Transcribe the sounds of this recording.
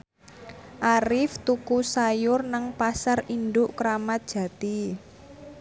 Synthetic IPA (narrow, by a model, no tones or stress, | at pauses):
ʔaɾɪft̪ukusajʊrnaŋpasarind̪ʊʔkɾamat̪̚d̥ʒ̥ä̤t̪i